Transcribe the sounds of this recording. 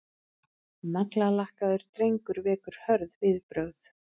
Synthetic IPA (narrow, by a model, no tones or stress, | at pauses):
naklalahkaðʏɾ̥t̪ɾejŋkʏɾvɛːkʏɾ̥hœɾðvɪðpɾœwθ